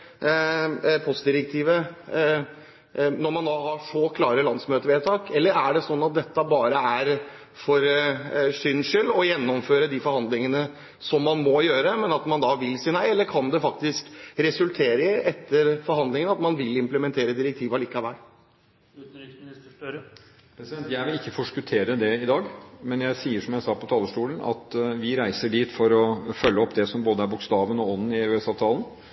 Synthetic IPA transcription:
pʰɔst̪̚d̪ɪɾək̚t̪ʰiːʋə | nɔɾmɑnd̪ɑːhɑʂɔkʰlɑːɾəlɑnsmøːt̪əʋeːt̪ʰɑːkɛlːəɾæɖɛsɔnːɑt̪̚d̪ɛt̪ːəbɑːɾəæɾ | fɔɾsʏnʂʏlːɔjɛnːɔmføːɾəd̪iːfɔɾhɑnd̪lɪŋənə | sɔmːɑnmɔjøːɾəmɛnɑt̪mɑnd̪ɑʋɪlːsiːnæɪɛlːəɾkʰɑnd̪ɛfɑk̚t̪ɪskɾɛsʉlt̪ʰeːɾəɛt̪ːəɾfɔɾhɑnd̪lɪŋənɑt̪mɑnʋɪlɪmpləmɛnt̪ʰeːɾəd̪ɪɾɛk̚t̪ʰiːʋɑliːkɑʋæɪ | ʉt̪nɾɪksmnɪst̪əʈøɾə | pʰɾɛsɪd̪ɛnt̪jæɪʋɪlɪkːəfɔʂkʉt̪ʰeːɾəd̪ɛɪd̪ɑːɡmɛnjæɪsiːəʂɔmjæɪsɑːpʰɔt̪ʰɑːləʂʈuːlən̩ɑ̰t̪ʋɪɾæɪsəɖiːt̪fɔɾɔfœlːəɔpːd̪ɛsɔmboːd̪əæɾbʊkst̪ɑːʋənɔɔnn̩ɪʉːɛsɑːʋt̪ʰɑːln̩

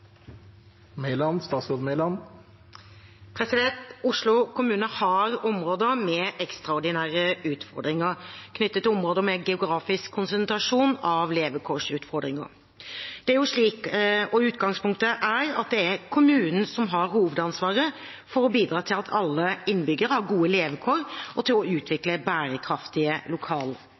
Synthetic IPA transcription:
melɑnst̪ɑːsoːd̪mɛɪlɑn | pʰɾɛsɪd̪ɛnt̪ʊʂlʊkʰʊmʉːnəhɑɾɔmɾoːd̪əmɛʔɛkst̪ɾɑɔɾɖ̪ɪnæːɾəʉːt̪fɔɾd̪ɾɪŋəɾkʰnʏt̪ːət̪ːɪlɔmɾoːd̪əmɛɡɛʊɡɾɑːfɪskʰːʊnsənt̪ɾɑʂuːnɑʋleːʋəkʰɔʂʉːt̪fɔɾd̪ɾɪŋə̰ɾ | d̪̥ɛæɾjʊʂɭiːkɔʉːt̪ɡɑŋspʰʊŋkt̪əʔæɾɑ̰t̪̚d̪ɛækʰʊmʉːnən̩sɔmɦɑɾhuːʋəd̪ɑnsʋɑːɾə | fɔɾɔbiːd̪ɾɑːt̪ʰɪlɑt̪ʰɑlːəɪnbʏɡːəɾhɑɾɡuːəleːʋəkʰoːɾʔɔt̪ʰɪlɔʉːt̪ʰʋɪkləbæːɾəkʰɾɑft̪ɪəlʊkʰɑːlə

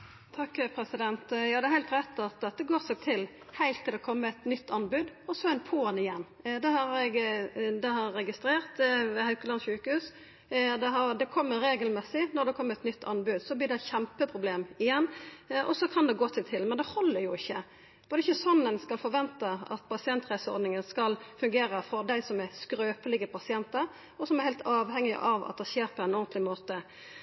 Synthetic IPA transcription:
t̪ʰɑkːpʰɾɛsɪd̪ɛnt̪jɑːd̪ɛɾhæɪlt̪ɾɛt̪ːɑt̪̚d̪ɛt̪ːəɡoːɾsɛɡt̪ʰɪl | hæɪlt̪ʰːɪlɛkʰɔmːəɛt̪nʏt̪ːɑnbʉd̪ɔsɔɛɪnpʰoːnɪjɛnː | d̪ɛhɑɾɛɡd̪ɛhɑɾːɛɡɪst̪ɾeːʁt̪ʋɛhɑʉkəlɑnʃʉːkəhʉːs | d̪ɛɦɑɾd̪ɛkʰɔmːəɾeːɡəlmɛsɪnɔd̪ɛkʰɔmːəɾɛt̪nʏt̪ːɑnbʉd̪sɔblɪːʁd̪ɛçɛmpəpʰɾʊbleːmɪjɛnːʔɔsɔkʰɑnd̪ɛɡoːt̪ʰɪt̪ʰɪlmɛnd̪ɛhɔlːəɾjʊɪçːə | b̥oːd̪əɪçəsɔnːənskɑlfɔɾʋɛnt̪əɑ̰t̪pʰɑsɪɛnt̪ɾæɪsəɔ̰ɾd̪nɪŋənskɑlfʉŋɡeːɾəfɔɾd̪æɪsɔmæskɾøːpəlɪɡəpʰɑsɪɛnt̪əɾ | ɔsɔmɛɾhæɪlt̪ʰɑːʋhɛŋːɪ̰ʔɑʋɑ̰t̪̚d̪ɛʃeːɾ̚pʰɔɛnɔʁnt̪lɪmoːt̪ə

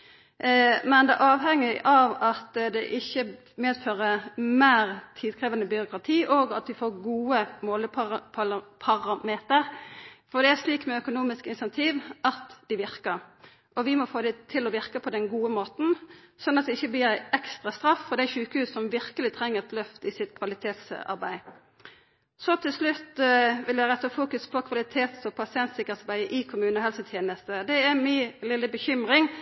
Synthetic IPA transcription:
mɛnd̪ɛʔɑːʋɦɛŋːɪʔɑʋɑt̪d̪ɛʔɪçːə | meːd̪føːʁəmæːɾt̪ʰiːd̪kʰʁɛːʋɑnəbʏɾʊkɾɑt̪ʰiːʔɔːɡɑ̰t̪ʋɪfoːɾɡuːəmoːləpʰɑʁɑpʰɑlɑpʰɑʁɑmeːt̪əɾfɔd̪ɛæɾʂliːkmɛœkʊnuːmɪskɪnsɛnt̪ʰiːʋʔɑt̪d̪̥ɪʋɪɾkəɾ | ʔɔʋɪmɔfoːd̪ɛt̪ʰɪlɔʋɪʁkəpʰɔd̪ɛnɡuːəmoːt̪n̩ | sɔnːɑt̪̚d̪ɛɪçːəbliːɾæɪɛkst̪ɾɑst̪ɾɑfːɔʁd̪æɪʃʉːkəhʉːsːɔmʋɪʁkəlɪt̪ʰʁɛŋːəʁt̪lœft̪ɪsɪt̪kʰʋɑlɪt̪ʰeːt̪sɑ̰ʁbæ̰ɪ | sɔt̪ʰɪlslʉt̪ʋɪljæɪʁɛt̪ːɑfuːkʉspʰɔkʰʋɑlɪt̪ʰeːt̪sɔpʰɑsɪɛnt̪sɪkːəʁt̪sɑbæɪʔɪkʰʊmʉːnəhɦɛlsət̪ʰjeːnəst̪əd̪ɛæmɪlɪləbəçʏmʁɪŋ

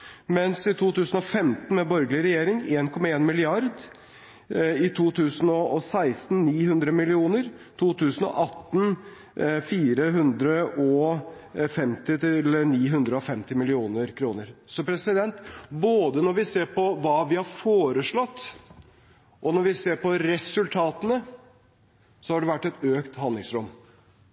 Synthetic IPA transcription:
mɛnsɪt̪ʰuːt̪ʉːsən̩ɔfɛmt̪n̩mɛbɔɾɡlɪəɾɛjeːɾɪŋeːnkʰɔmːɑeːnmɪlɪɑɾd̪ | ɪt̪ʰuːt̪ʰʉːsənɔɔsæɪst̪n̩niːhɦʉnd̪ɾəmɪlɪuːnəɾt̪ʰuːt̪ʰʉːsənɔ̰ʔɑt̪ːn̩ | fiːɾəɦʉnd̪ɾəʔɔ | fɛmt̪ɪlːəniːɦʉnd̪ɾəɔfɛmt̪ɪmɪlɪuːnəɾkʰɾuːnəɾsɔpʰɾɛsɪd̪ɛnt̪boːd̪ənɔɾʋɪseːɾpʰɔʋɑːʋɪhɑɾfoːɾəʂɭɔt̪ː | ʔɔnɔɾʋɪseːɾpɔɾɛsʉlt̪ʰɑːt̪ənə | sɔhɑɖɛʋæʈːɛt̪øːkt̪hɑnd̪lɪŋsɾʊm

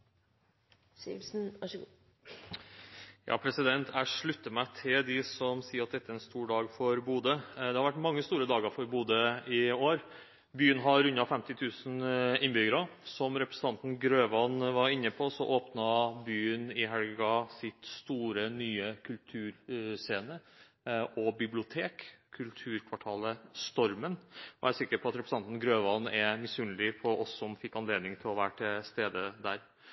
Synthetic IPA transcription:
sɪsn̩ | jɑ̰ːpʰɾɛsɪd̪ɛnt̪ʰæɪʂɭʉt̪ːəmæɪt̪ʰɪld̪ɪsɔmsiːəɾɑt̪̚d̪ɛt̪ːəæɛnst̪uːɖɑːɡfɔɾbuːd̪əd̪ɛhɑɾʋæʈːmɑŋːəst̪uːɾəd̪ɑːɡəɾfɔɾbuːd̪əɪoːɾ | byːənɦɑɾʉnːɑfɛmt̪ɪt̪ʰʉːsn̩ɪnbʏɡəɾɑsɔmɾɛpɾəsə̥n̩ɑnt̪n̩ɡɾøːʋɑnʋɑɾɪnːəpʰɔsɔʔoːpnɑbyːənɪɦɛlɡɑsɪt̪st̪uːɾənyːəkʰʉlt̪ʰʉːɾseːnə | ʔɔbɪblɪʊt̪ʰeːkkʰːʉlt̪ʰʉːɾkʰʋɑʈʰɑːləst̪ɔɾmənɔ̰æɾsɪkːəpʰɔɑt̪ɾɛpɾəs̩ɑnt̪n̩ɡɾøːʋɑnɛmɪsʉnlɪfʰɔʔɔsːɔmfɪkːɑnleːd̪nɪŋt̪ʰɪlɔʋæːʈʰɪst̪eːd̪əd̪æɾ

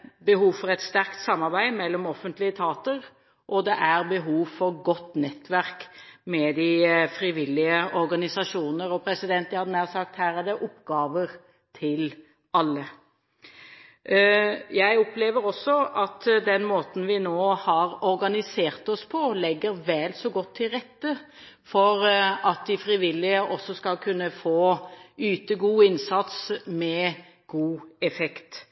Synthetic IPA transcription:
bəɦuːʋfɔɾɛt̪st̪æɾkt̪sɑmːɑɾbæɪmɛlːɔmɔfənt̪lɪət̪ʰɑːt̪əɾ | ʔɔd̪ɛʔæɾbəɦuːʋfɔɾɡɔt̪ːnɛt̪ːʋæʁk | mɛd̪ɪfɾɪʋɪlːɪəɔɾɡɑnɪsɑʂuːnəɾɔpʰɾɛsɪd̪ɛnt̪hɑd̪ənæːsɑk̚t̪hæːɾæɾd̪ɛʔʊpːɡɑːʋəɾ | t̪ʰɪl | ɑlːə | jæɪɔpleːʋəɾɔsːɔʔɑt̪d̪ɛnmoːt̪n̩ʋɪnoːhɑɾɔɾɡɑnɪseːʁt̪ɔspʰɔlɛɡːəɾʋɛlsɔɡɔt̪ʰːɪʁɛt̪ːə | fɔɾɑt̪̚d̪ɪfɾɪʋɪlːɪəʔɔsːɔskɑlkʰʉnːəfoːyːt̪əɡuːɪnsɑt̪smɛ | ɡ̥uːɛfɛkt̪

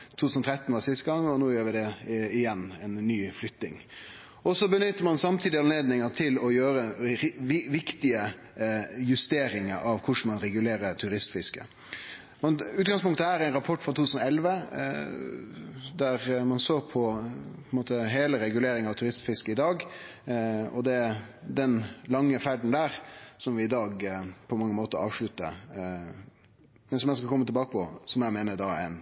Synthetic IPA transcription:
t̪ʰut̪ʉːsn̩t̪ʰɾɛt̪nʋɑsɪst̪əɡɑŋːɔnoːjøːɾʋɪd̪ɛɪjɛnːɛnːyːflʏt̪nɪ̰ŋ | ɔsɔbənʏt̪ːəɾmɑnsɑmt̪ʰiːd̪ɪɑnleːd̪nɪŋət̪ʰɪlɔjøːɾə | ʋɪkt̪ɪə | jʉst̪eːɾɪŋə̰ɾʔɑʋkʰʊʂmɑnɾɛɡʉleːɾəɾt̪ʰʉɾɪst̪fɪskə̰ | mɛnʉːt̪̚ɡɑŋspʊŋkt̪əhæːɾæɪnɾɑpʰɔʈːfɾʁɑt̪uːt̪ʰːʉsənɔɛlʋə | d̪æɾmɑnsoːpʰɔpʰɔnmoːt̪əɦeːləɾɛɡʉleːɾɪŋɑʋt̪ʰʉɾɪst̪fɪskəɪd̪ɑːɡ | ɔd̪ɛd̪ɛnlɑŋːəfæɖɳn̩d̪æːɾsɔmʋɪɪd̪ɑːɡpʰɔmɑŋːəmoːt̪əɾɑ̰ːʋʂɭʉt̪ːə̰ | mɛnsɔmjæɪskɑlkɔmːət̪ɪlbɑːkəpɔsɔmjæɪmeːnəd̪ɑɛ̰ɪn

